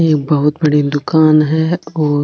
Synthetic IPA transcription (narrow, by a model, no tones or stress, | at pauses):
eːk̚bɐɦʊt̪̚bɐɽid̪ʊkaːnɦɛ̃ɔː